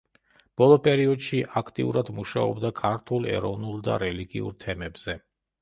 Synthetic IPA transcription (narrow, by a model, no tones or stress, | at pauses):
b̥ɔlˠɔpʼɛɾiɔd̪ʃiʔakʰt̪ʼḭṵɾad̪muʃaɔbd̪akʰaɾt̪ʰulˠɛ̰ɾɔvnulˠd̪a̰ɾɛliɡḭṵɾt̪ʰɛmɛbz̥ɛ